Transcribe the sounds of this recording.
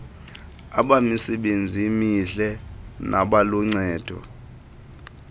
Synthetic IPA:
aɓamisɛɓend͡zʱimiɬɛnʔaɓaluŋ͡ǀɛːd̥ʱɔ̰

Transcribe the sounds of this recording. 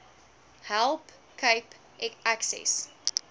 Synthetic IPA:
hælˠp | kəjp | ɛkæksɛ̰s

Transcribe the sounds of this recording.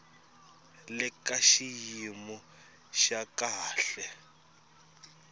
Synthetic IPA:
lɛkaʃijimɔ | ʃakaːɬɛ

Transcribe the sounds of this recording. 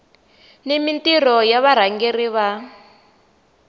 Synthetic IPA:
nemintirɔjaβaɾ̤aŋɡeriβa

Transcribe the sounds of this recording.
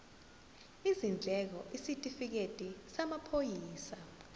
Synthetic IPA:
izind͡ɮʱɛk̬ɔʔisitʼifik̬etʼisamapʰojiːsa

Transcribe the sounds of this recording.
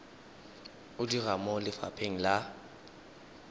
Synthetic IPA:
ʊdiramɔlɪfa̰pʰeŋ̩la

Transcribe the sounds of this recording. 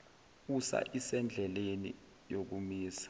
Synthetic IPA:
usa̰ʔisɛnd͡ɮʱɛlenḭ | jok̬umiːsḁ

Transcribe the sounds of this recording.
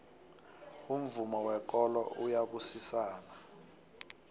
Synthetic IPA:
um̩vumɔwɛk̬ʼɔlɔʔujaɓusisaːna

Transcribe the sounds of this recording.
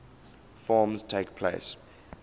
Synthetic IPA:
fɔːmztʰeɪkpʰlḛɪs

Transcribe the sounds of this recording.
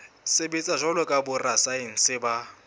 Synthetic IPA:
sɪbit͡sʼaʒɔlɔkʼabʊrasaɪŋ̩sɪba

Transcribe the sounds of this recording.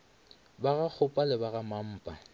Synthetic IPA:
baɣak͡xʰʊpʼalɪbaɣamam̩ːpʼa

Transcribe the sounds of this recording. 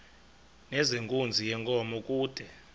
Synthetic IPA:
nɛzeŋkʼund͡zʱijɛŋkʼɔmɔkʼuːd̥ʱɛ

